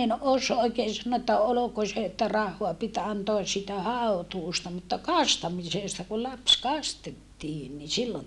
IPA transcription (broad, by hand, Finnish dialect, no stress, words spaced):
en os oikeːn sɑnːoː etːæ oloko se etːæ rɑhːoɑ pit ɑntoɑs siːtæ hɑotuːstɑ mutːɑ kɑstɑmiseˑstɑ ku lɑps kɑstetːiːn ni silːon